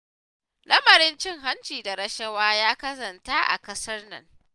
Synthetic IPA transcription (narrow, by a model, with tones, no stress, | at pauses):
lɐ˦mɐ˨ɾɪ˦nt͡ʃɪ˦ŋɦa˦nt͡ʃiː˨da˨ɾɐ˦ʃɐ˦waː˦jaː˦kɐ˦sɐ˨nta˦ʔa̰˨kɐ˦sɐ˦rnɐ̰˦ŋ